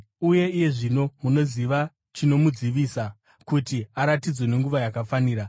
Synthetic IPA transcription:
uje̞ije̞ʐino̞muno̞ziʋa | t͡ʃino̞mud͡ziʋiːsa | kutiaɾatid͡zwe̞ne̞ŋɡuʋajakafaniːɾa

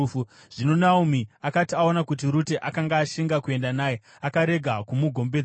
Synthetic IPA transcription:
u | ʐ̥ino̞naumiakatiao̞nakutiɾute̞ʔakaŋɡaːʃiŋɡakue̞ndanaːje | akaɾe̞ɡʱakumuɡʱo̞mbe

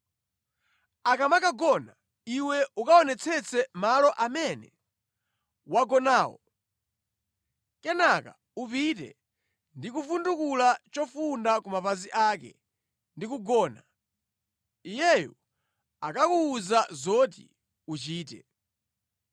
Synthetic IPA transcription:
akamakaɡɔna | iwɛukaɔnɛt͡sʰɛt͡sʰɛmalɔʔamɛnɛ̰ | waɡɔnaːwɔ̰ | kɛnaka | upitɛ̰ | ndikufundukulat͡ʃɔfundakumapaziʔaːk̬ɛ̰ | ndikuɡɔːna | ijɛjɔ̰ | akakuːzazɔt̬ḭ | ut͡ʃiːt̬ɛ̰

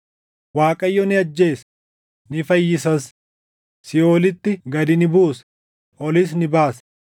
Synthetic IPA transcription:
waːkʼɐjːɔnɪɐd͡ʒːe̞ːs | nɪfɐjːɪsɐs | sɪjoːlɪt̪ːɪɡɐd̪ɪnɪbuːs | ɔlɪs̬nɪbaːs

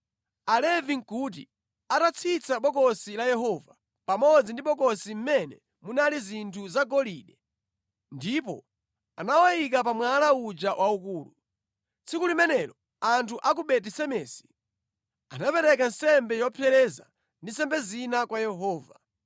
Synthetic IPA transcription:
alɛviŋkuːt̬i | atat͡sʰit͡sʰaɓɔkɔsilajɛɦɔva | pamɔd͡zindiɓɔkɔsim̩mɛnɛ̰ | munalizintʰuzaɡɔliːɗɛ | ndipɔ̰ | anawajik̬apamwalaud͡ʒawʔaukuːlṵ | t͡sikulimɛnɛɾɔ | antʰuʔak̬uɓɛt̬isɛmɛːsi̥ | anapɛɾɛk̬an̩sɛmbɛjɔpʰjɛɾɛza̰ | ndinsɛmbɛzinakwajɛɦɔːva

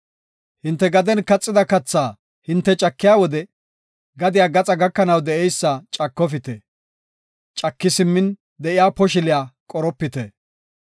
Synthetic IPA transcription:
hɪnt̪ːɛɡɐd̪ɛnkɐt͡sʼːɪd̪ɐkɐt͡sːaː | hɪnt̪ːɛt͡ʃʼɐkːɪjaːwɔd̪ɛ | ɡɐd̪ɪjaːɡɐt͡sʼɐɡɐkːɐnɐwd̪ɛʔɛjsːɐt͡ʃʼɐkːɔfɪt̪ɛ | t͡ʃʼɐkːɪsɪmːɪn | d̪ɛʔɪjaːpɔʃ̬ɪlɪjaːkʼɔɾɔpːɪt̪ɛ

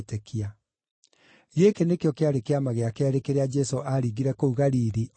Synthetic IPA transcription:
tekʰia | ɣekenekjɔkeaɾekeamaɣeakeɛɾekeɾead͡ʒɛsoʔaɾiɣiɾɛkouɣaɾiɾi

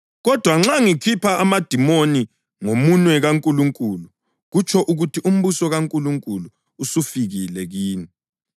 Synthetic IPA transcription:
ɣɔd̥ʱwaŋ͡ǁaŋikʰipʰaʔːmad̥ʱimoni | ŋomunwɛɣaŋkʼuluŋkʼulu | ɣut͡ʃʰɔʔuɣutʰiʔum̩βusɔɣaŋkʼuluŋkʼuluː | sufiɣilɛɣiːni

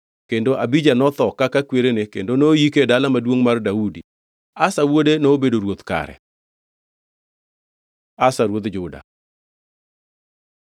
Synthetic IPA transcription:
kendoʔabid͡ʒanɔt̪ɔkakakweɾenekendonoːjikedalamadwoŋmardaudi | asawodenoːbedoɾwot̪ka̰ɾɛ̰ | asaɾwot̪d͡ʒʊda̰

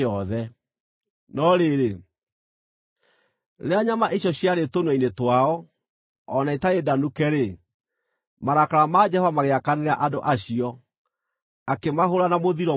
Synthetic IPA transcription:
ɔðɛ | nɔɾeɾe | leaɲamaʔiɕjɔɕjaɾetonwainetwaɔ | ɔnaetaedanukɛɾe | maɾakaɾamad͡ʒɛhovamaɣeakaneɾa̰ʔadoʔaɕiɔ | akemaɦoɾanamoðiɾɔ

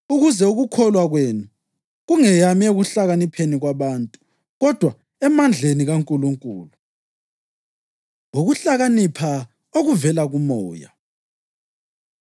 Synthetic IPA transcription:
uɣuzɛuɣukʰɔlwaɣweːnu | ɣuŋɛjamieɣuɬaɣanipʰeniɣwaβaːntʼu̥ | ɣɔd̥ʱwa | ɛmand͡ɮʱeniɣaŋkʼuluŋkʼuːlu | uɣuɬaɣanipʰa | oɣuvɛlaɣumɔːja̰

